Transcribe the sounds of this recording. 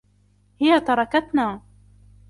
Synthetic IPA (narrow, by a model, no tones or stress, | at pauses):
hɪjat̪ɑɾˤɑkat̪naː